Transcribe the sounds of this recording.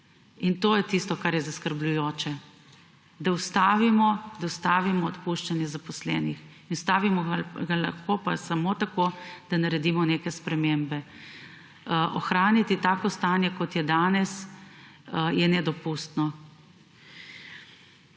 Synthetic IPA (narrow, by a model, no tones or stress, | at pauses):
int̪oːjɛt̪ist̪ɔkaɾjɛzaskəɾblujoːt͡ʃɛ | d̪awst̪aːʋimɔd̪aust̪aːʋimɔːt̪puʃt͡ʃanjɛzapɔslɛːnixinust̪aːʋimɔɡalɐ̰xkoːpasamot̪akoːd̪̥anaɾɛd̪iːmɔneːkɛspɾɛmembɛ | ʔɔxɾaːnit̪it̪aːkɔst̪aːnjɛkɔt̪jɛd̪aːnɛs | jɛnɛd̪ɔpust̪nɔ